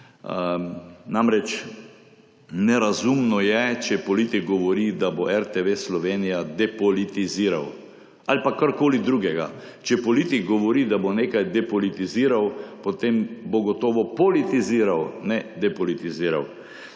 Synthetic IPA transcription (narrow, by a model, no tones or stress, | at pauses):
namɾɛt͡ʃ | nɛɾazumnɔjɛt͡ʃɛpɔlit̪ikɡɔʋɔɾid̪aboʔɛɾt̪eʋeslɔʋeːnijad̪ɛpɔlit̪iziːɾa̰w | alipakaɾkoːlid̪ɾuːɡɛɡa̰ | t͡ʃɛpɔlit̪ikɡɔʋɔɾid̪aboneːkajd̪ɛpɔlit̪iziːɾawpot̪emboɡɔt̪ɔːʋɔpɔlit̪iziːɾawnɛd̪ɛpɔlit̪iziːɾa̰w